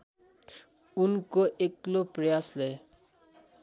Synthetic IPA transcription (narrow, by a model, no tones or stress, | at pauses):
unkoʔekloprʌjasle